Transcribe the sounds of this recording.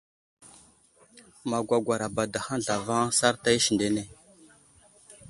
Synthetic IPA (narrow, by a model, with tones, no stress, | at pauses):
ma˨ɡʷa˨ɡʷa˨ɾa˨ba˨da˨xa˦nɮa˨va˦ŋsa˦ɾta˦i˦ʃi˨nde˦ne˨